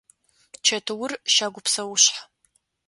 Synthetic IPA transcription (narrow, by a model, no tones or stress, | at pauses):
t͡ʃʰɐtʰɨwʊrʃaːɡʷʊpʰsɐwʊɕħa